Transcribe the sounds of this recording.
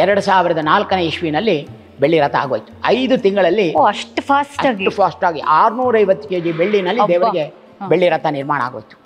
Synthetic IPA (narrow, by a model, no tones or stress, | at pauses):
ɛɾɐɽusaːʋiɾɐd̪ɐnaːlkɐneiʃʋinɐlːi | beɭːiɾɐt̪ʰːɐa̰ːɡoːjt̪u̥ɐjd̪ut̪iŋɡɐɭɐlːioɐʂʈpʰaːsʈɐaːɡiupʰaːsʈaːɡiʔaːɾnuːɾɐjʋɐt̪ːu̥keːd͡ʒibeɭːinɐlːid̪eːʋɐɾiɡe | beɭːiɾɐt̪ʰːɐniɾmaːɳɐa̰ːɡo̰ːjt̪u̥